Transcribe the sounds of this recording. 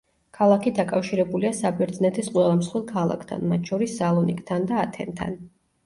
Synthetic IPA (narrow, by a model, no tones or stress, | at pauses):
kʰalˠakʰid̪akʼafʃiɾɛbuliasabɛɾd̪znɛt̪ʰɛsqʼwɛlˠamsχwilˠkʰalˠa̰kʰt̪ʰa̰nmat̪ʰʃɔɾisːalˠɔnḭkʼt̪ʰand̪aːt̪ʰɛ̰nt̪ʰa̰n